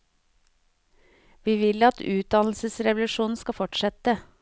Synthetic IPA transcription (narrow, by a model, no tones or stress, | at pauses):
ʋiːʋɪlɑt̪ʉːt̪̚d̪ɑnl̩səsɾɛʋlʉʃuːn̩skɑfɔʈʃɛt̪ə